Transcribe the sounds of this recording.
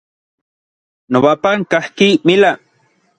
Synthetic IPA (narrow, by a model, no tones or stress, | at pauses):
noβapaŋkahkijmɪla